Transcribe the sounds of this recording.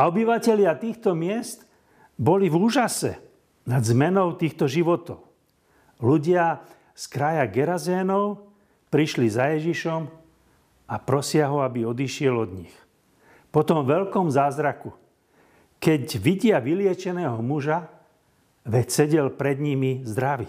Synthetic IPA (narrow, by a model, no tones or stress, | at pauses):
aɔbiʋacɛʎɪat̪iːxt̪ɔmɪɛst̪ | bɔlivuːʒasɛ̰ | nad̪zmɛnɔʊt̪iːxt̪ɔʒiʋɔt̪ɔʊ | luɟɪa | skɾajaɡɛɾazɛːnɔʊ | pɾiʃlizajɛʒiʃɔm | apɾɔsɪaɦɔabiɔd̪iʃɪɛlɔd̪ɲix | pɔt̪ɔmʋɛlkɔmzaːzɾaku | kɛɟʋiɟɪaʋilɪɛt͡ʃɛnɛːɦɔmuʒa | ʋɛcsɛɟɛlpɾɛd̪ɲimizd̪ɾaʋi